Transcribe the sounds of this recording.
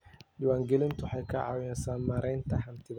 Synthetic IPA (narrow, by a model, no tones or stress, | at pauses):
ɗɪwaːŋɡɛlɪnt̪ʰʊħɑjkʰɐʕɑ̰ːwɪnɛsaːnmaɾʔɛjnt̪ʰɐɦɐnt̪ʰɪð